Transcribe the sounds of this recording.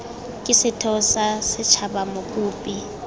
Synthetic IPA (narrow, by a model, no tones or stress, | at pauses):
kʼɪsɪtʰɔsasɪt͡ʃʰabamʊkʼuːpʼi